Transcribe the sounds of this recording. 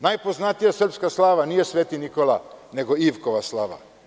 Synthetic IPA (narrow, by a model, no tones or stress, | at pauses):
najpo̞znat̪ijasr̩pskaslˠaːʋaniːje̞sʋeːt̪inikolane̞ɡo̞iʋkoʋaslˠaːʋa̰